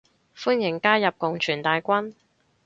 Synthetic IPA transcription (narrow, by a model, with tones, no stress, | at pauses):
fuː˥njɪ˨˩ŋkaː˥jɐ˨p̚kʊ˨ŋt͡ʃʰyː˨˩nt̪aː˨jkʷɐ˥n